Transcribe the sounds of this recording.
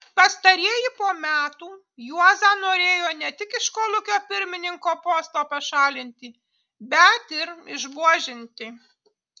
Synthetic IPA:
pɐst̪ɐɾʲiɛjɪpoːmʲæːt̪uː | juɔzɑːnoːɾʲeːjoːnʲɛt̪ʲɪkɪʃkoːlˠʊkʲoːpʲɪɾʲmʲɪnʲɪŋkoːpoːst̪oːpɐʃɑːlʲɪnʲt̪ʲɪ | bʲɛt̪ɪɾɪʒbuɔʒʲɪnʲt̪ʲɪ

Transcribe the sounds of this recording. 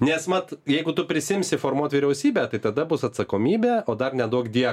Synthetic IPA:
nʲɛsmɐt̪jɛɪɡʊt̪ʊpʲɾʲɪsʲɪɪmʲsʲɪfoːrmuɔt̪ʋʲiːɾʲɛʊsʲiːbʲæːt̪ɐɪt̪ɐd̪ɐbʊsɐt̪sɐkoːmʲiːbʲæːoːd̪ɐrnʲɛd̪uɔkd̪ʲiɛ

